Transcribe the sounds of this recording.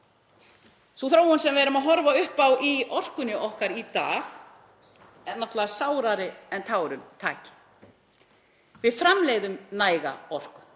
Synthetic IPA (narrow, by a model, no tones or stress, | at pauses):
suθɾoːwhɔnsɛmvɛːɾʏmaðɦɔɾvaʏhpawʔiɔr̥kʏnɪʔɔhkaɾit̪a̰ːx | ɛnːaht̪laasaːwɾaɾɪɛnt̪ʰaːwɾʏmt̪ʰaːcɪ̥ | vɪðfɾamleːjðʏmnaːjɣa̰ɔr̥kʏm